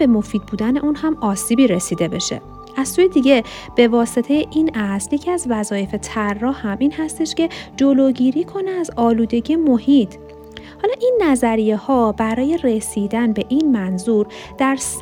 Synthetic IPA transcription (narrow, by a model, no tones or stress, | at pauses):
e̞mo̞fiːd̪̚buːd̪æne̞ʔunhæmɒːsiːbiːɾesiːd̪e̞be̞ʃe̞̰ | ʔæz̥suːjed̪iɟe̞ | b̥e̞vɒːse̞t̪ʰe̞jeʔinæsljecʰiæzvæzɒːje̞fet̪ʰærːɒːhhæmiːnhæst̪e̞ʃce̞d͡ʒoloɟiːɾiːkʰo̞neæzɒːluːd̪e̞ɟiemo̞hit̪ʰ | hɒːlɒːʔinːæzæɾije̞hɒːbæɾɒːje̞re̞siːd̪ænbe̞ʔinmænzuːɾ | d̪̥æɾs